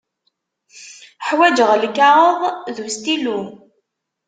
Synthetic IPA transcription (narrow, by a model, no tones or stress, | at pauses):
ħwæd͡ʒəʁlkːɑɾəðˤðust̪ilu